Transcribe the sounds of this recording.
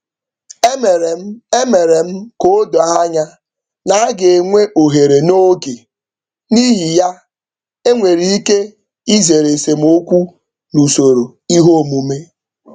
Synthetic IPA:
e˦me˨ɾe˨m̩˦ko˦dɔ˨˦a˦ɲa˦ | na˨˦a˦ɡe˨e˨ŋʷe˦ʔo˨ɦe˨ɾe˨no˦ɡe˨ | ni˦ɦi˨ja˦ | e˦ŋʷe˨ɾi˨˦i˦ke˦ | i˦ze˨ɾe˨se˨m̩˦o˦kʷu˦ | nu˨so˨ɾo˨i˦ɦo˦˨mu˨me˦

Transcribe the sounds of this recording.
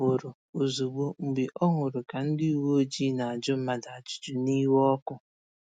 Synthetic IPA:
o˨ɾʊ˨ | o˨zu˨ɡ͡bo˦ŋ͡m̩˨ɡ͡bi˨ʔɔ˦ŋʊ˨ɾʊ˨ka˨n̩˦di˦i˨wo˦o˦d͡ʒi˦na˨a˨d͡ʒʊ˦m̩˦ma˨da˨a˨t͡ʃʊ̥˦d͡ʒʊ˨ni˦wɔ˦kʊ˦

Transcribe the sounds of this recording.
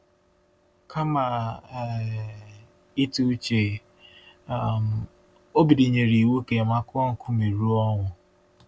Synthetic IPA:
kʰa˦ma˨ | i˦tu˦t͡ʃe˨ | m˨ | o˦bi˨di˨ɲe˨ɾi˨we˦ke˨ma˦kʊ˦ɔ˦ŋ̩˨kʰʊ˦mi˨ɾu˦ɔ˦ŋʊ˨

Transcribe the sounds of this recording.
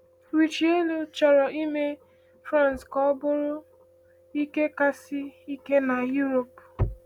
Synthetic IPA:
wi˨t͡ʃi˨˦e˦lu˦t͡ʃɔ˨ɾɔ˨i˦me˦ | fɾa˦˨n˨skɔ˦bʊ˦ɾʊ˦ | i˦ke˦ka˦si˦i˦ke˦na˨ju˦ɾo˨p

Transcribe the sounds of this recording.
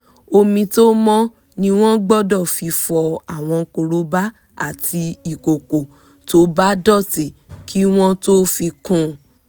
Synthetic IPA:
o˧mĩ˧to˦mɔ̃˦ | nĩ˧w̃ɔ̃˦ɡ͡bɔ˦˨dɔ˦˨fi˧fɔ˧a˨w̃ɔ̃˧ko˧˨ɾo˧˦ba˦ | a̰˦˨ti˧i˨ko˨ko˨ | to˦ba˦dɔ˦˨te˨kʰi˦w̃ɔ̃˦to˦fi˧kũ˦˨

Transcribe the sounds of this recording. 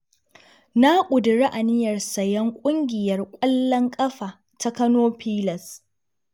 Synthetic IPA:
na˦kʷʼʊ˨dɪ˨ɾi˦ʔa˨nɪ˦jɐ˨rsɐ˨jɐ˦ŋkʷʼʊ˦ŋɡʲɪ˨jɐ˨rkʷʼɐ˦lːɐ˦ŋkʼɐ˦ɸaː˨ | tʰa˦kɐ˦noː˦ɸiː˦lɐ˨s

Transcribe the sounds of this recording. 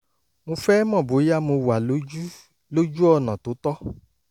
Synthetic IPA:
mũ˧fɛ˦mɔ̃˦˨bo˨˦ja˦mõ˧wa˨˦ | lo˦d͡ʒu˦ɔ˦˧nã˨to˨˦tɔ˦

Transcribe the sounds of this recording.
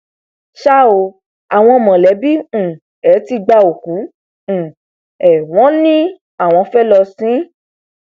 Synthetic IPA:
ʃa˦o˧ | a˨w̃ɔ̃˧mɔ̃˨lɛ˨˦bĩ˦˨ | ɛ˨˦ti˧ɡ͡ba˧o˨kũ˨˦˨ | ɛ˨w̃ɔ̃˨˦nĩ˦ | a˦˨w̃ɔ̃˧fɛ˦lɔ˧sĩ˨˦

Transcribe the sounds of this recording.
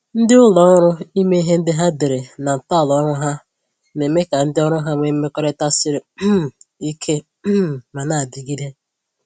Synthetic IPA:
n̩˦dɪ˦ʊ˦lɔ˦ɾʊ˦i˦me˦i˦ɦe˦n̩˦dɪ˦ɦa˦de˨ɾe˨na˨m̩˨ta˦˨lɔ˦ɾʊ˦ɦa˦ | ne˨me˦ka˨n̩˦dɪ˦ɔ˦ɾʊ˦ɦa˦ŋʷe˦me˦kɔ˦ɾe˦ta˦sɪ˦ɾɪ˦˨i˦kʰe˦ | ma˨na˨a˨dɪ˨ɡi˦de˦

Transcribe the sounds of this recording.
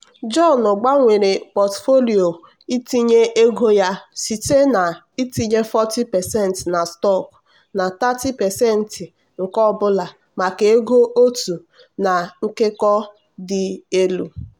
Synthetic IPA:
d͡ʒɔ˦˨nʊ˨ɡ͡ba˦ŋʷe˨ɾe˨pɔ˨tfo˦li˨o˨ | i˦ti˦ɲe˦ʔe˦ɡo˦ja˦si˨te˦na˨ | i˦ti˦ɲe˦fɔ˦ti˦pɛ˨sɛ˦˨n˨tna˨stɔ˦˨k | na˨ta˦ti˦pɛ˨sɛ˦n̩˨tɪ˨ | ŋ̩˨kɔ˦ɔ˦bʊ˦la˨ | ma˨ke˨e˦ɡo˦ʔo˦tu˨ | na˨ŋ̩˦ke˦kɔ˦ | dɪ˨e˦lu˨

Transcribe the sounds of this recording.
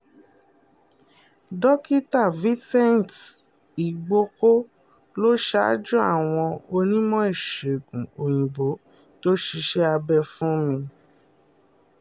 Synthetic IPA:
dɔ˦ki˦ta˦˨vĩ˦sɛ˦n˨t | i˨ɡ͡bo˧˦ko˦ | lo˦ʃa̰˦d͡ʒũ˦a̰˦˨w̃ɔ̃˧o˧nĩ˦mɔ̃˦e˦˨ʃe˨ɡũ˨o˨j̃ĩ˨bo˨˦ | to˦ʃi˧ʃɛ˦a˧bɛ˦˨fũ˦mĩ˧

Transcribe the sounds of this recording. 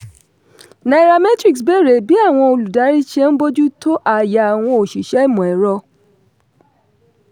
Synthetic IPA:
na˨i˨ɾa˧mɛ˦tɾi˨ksbe˦˨ɾe˨bi˨˦a˦˨w̃ɔ̃˧o˧lu˨da˨˦ɾi˦ʃe˦n̩˦bo˦d͡ʒu˦to˦ʔa˨ja˨a˨w̃ɔ̃˧o˨ʃi˨ʃɛ˨˦i˦˨mɔ̃˨ɛ˨ɾɔ˧˦

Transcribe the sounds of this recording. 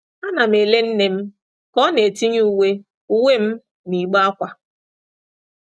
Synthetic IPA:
a˦na˨m̩e˨le˦n̩˦ne˨m̩˦ | kɔ˦ne˨ti˦ɲu˦we˦ | u˦we˦m̩˦ | ni˨ɡ͡ba˦a˦kʷa˨

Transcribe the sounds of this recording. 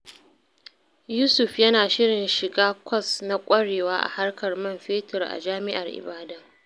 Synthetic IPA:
juː˦sʊ˨ɸjɐ˦naː˨ʃɪ˦ɽɪ˨nʃɪ˨ɡaː˦kʷɔ˦sna˦kʷʼɐ˦ɽeː˨waː˦ʔa̰˨ha˦rkɐ˨rmɐ˦˨mɸeː˦tʊ˨rʔa̰˨d͡ʒaː˦mɪ˦ʔa˨rʔɪ̰˨baː˦dɐ˦ŋ

